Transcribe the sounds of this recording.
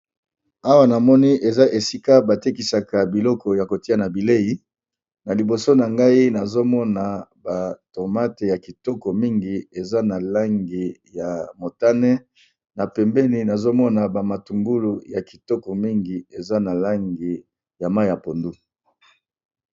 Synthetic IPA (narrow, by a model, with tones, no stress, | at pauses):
a˦wa˦na˨mɔ˦ni˦ʔe˨za˦ʔe˨si˦ka˦ba˨te˦ki˨sa˨ka˨bi˨lɔ˦kɔ˨ja˨ko˨ti˦a˨na˨bi˨le˦ji˨˦ | na˨li˨bo˨so˦na˨ŋɡa˦i˦na˨zo˦mɔ˦na˨ba˨to˨ma˦te˨ja˨ki˨tɔ˦kɔ˨mi˦ŋɡi˨e˨za˦na˨la˦ŋɡi˨ja˨mo˨ta˦nɛ˦ | na˨pɛ˨mbɛ˦ni˨na˨zo˦mɔ˦na˨ba˨ma˨tu˨ŋɡu˦lu˨ja˨ki̥˨tɔ˦kɔ˨mi˦ŋɡi˨e˨za˦na˨la˦ŋɡi˨ | ja˨ma˦i˦˨ja˨po˨ndu˦